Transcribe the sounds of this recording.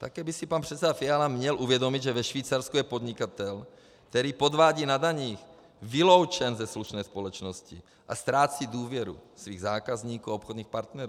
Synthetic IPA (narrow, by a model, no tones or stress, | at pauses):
t̪akɛːbɪsɪpanpr̝̥ɛt̪t͡sɛdafɪalamɲɛlʔuvjɛdo̞mɪd̪ʒɛvɛʃviːt͡saɾskujɛpo̞d̪ɲɪkat̪ɛl | k̚t̪ɛɾiːpo̞d̪vaːɟiːnadaɲiːx | vɪlo̞wt͡ʃɛnzɛsluʃnɛːspo̞lɛt͡ʃno̞scɪ | ʔast̪ɾaːt͡siːduːvjɛɾṵsviːɣzaːkazɲiːkuːaopxod̪ɲiːxpaɾt̪nɛɾuː